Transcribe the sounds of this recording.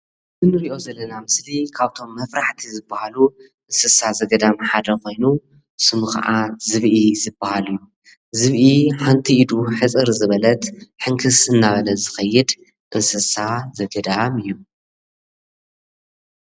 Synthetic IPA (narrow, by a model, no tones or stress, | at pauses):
zɨnːɨɾiʔo̞zɐlːɐnamɨslikʰaβt̪ʰo̞mːɐfɾaħt̪ʰizɨbːahalu | ʔɨnsɨsazɐɡɐd̪amħad̪ɐko̞jnu | sɨmuxa̰ʕazɨβʔizɨbːahalɨjːu | zɨβʔiħant̪ʰiid̪uħɨt͡sʼɨɾzɨβɐlɐt̪ħɨŋkʰɨsɨnːaβɐlɐzɨxɐjːɨd̪ | ʔɨnsɨsazɐɡɐd̪amɨjːu